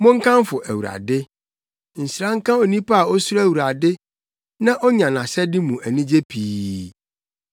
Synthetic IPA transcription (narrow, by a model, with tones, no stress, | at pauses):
mʊ̃˦ŋ̩˦kʰã˦m˦fʊ˨ʔæ˨wu˨ɾa̰˨dɪ˦ | n̩˨sɾã˦ŋ̩˦kã˦o˨nĩ˦pa˦a˨ɔ˦su˦æ˦˨wu˨ɾa˨dɪ˦ | nã˦ʔɔ˦ɲã˨nã˨sɛ˦dɪ˦mũ˨ʔæ˨nĩ˦d͡ʑe˦pʰiː˦